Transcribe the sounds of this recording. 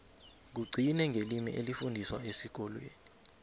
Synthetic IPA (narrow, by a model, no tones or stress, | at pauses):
k̬uɡ͡ǀʱinɛŋɡʱelimḭʔelifundʱiswaesik̬ɔlwḛːni